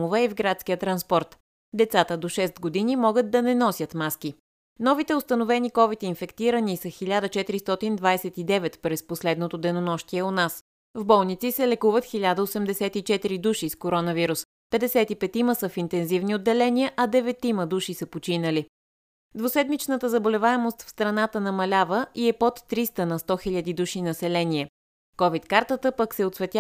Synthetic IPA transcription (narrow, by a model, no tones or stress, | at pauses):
ovɛɛvɡɾat̪skijət̪ɾɐnspɔɾt̪ | d̪ɛt̪sat̪əd̪oʃɛst̪̚ɡod̪inimɔɡət̪̚ːɐnɛnɔsʲjət̪maski | nɔvit̪ɛost̪ənovɛnikɔvit̪infɛkt̪iɾənisəxilʲad̪ət͡ʃɛt̪iɾist̪ɔt̪ind̪vajsɛt̪id̪ɛvɛt̪pɾɛsposlɛd̪not̪od̪ɛnonɔʃt̪iɛonas | vbɔlˠnit̪sisɛlɛkuvət̪xilʲad̪əosɛmd̪ɛsɛt̪it͡ʃɛt̪iɾid̪uʃiskoɾɔnəviɾus | pɛd̪ɛsɛt̪ipɛt̪iməsəfint̪ɛnzivniod̪ːɛlɛniəʔɐd̪ɛvɛt̪iməd̪uʃisəpot͡ʃinəli | d̪vosɛd̪mit͡ʃnət̪əzɐbolɛvaɛmost̪fst̪ɾɐnat̪ənɐmɐlʲavəiɛpot̪ːɾist̪ənɐst̪ɔxiʎʲəd̪id̪uʃinɐsɛlɛniɛ | kɔvit̪kaɾt̪ət̪əpəksɛot̪svɛt̪ja